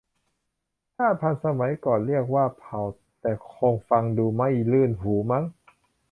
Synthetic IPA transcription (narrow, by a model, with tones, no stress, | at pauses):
t̪ʰaː˥˩pʰa˧nsa˧ma˩˦jkɔː˨˩nli˥˩ək̚waː˥˩pʰa˨˩w | t̪ɛː˨˩kʰoː˧ŋfa˧ŋduː˧ma˥˩jlɯː˥˩nɦuː˩˦ma˦˥ŋ